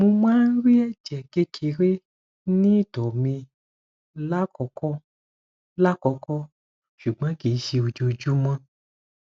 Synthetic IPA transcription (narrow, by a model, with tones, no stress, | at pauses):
mũ˧mã˦n̩˦ɾi˦ɛ˦˨d͡ʒɛ˨ke˧kʰi˨ɾe˦ | nĩ˦dɔ˨mĩ˧ | la˦kɔ˨˦kɔ˦ | la˦kɔ˨˧kɔ˦ | ʃu˨ɡ͡bã˨˦ɡe˨˦ʃi˧o˨d͡ʒo˧d͡ʒu˦mã˦